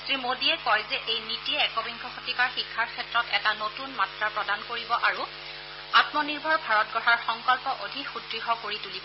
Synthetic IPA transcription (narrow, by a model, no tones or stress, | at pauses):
tɹimodiɛkɔjzɛʔejnitiɛɛkɔbiŋkʰɔxotikaɹxikʰːaɹkʰɛtɹɔtɛtanotunmatɹapɹɔdankoɹibɔʔaɹu | atmɔniɹbʱɔɹbʱaɹɔt̚ɡɔɹaɹxɔŋkɔlpɔʔodʱikxudɹiɦɔkoɹitulibɔ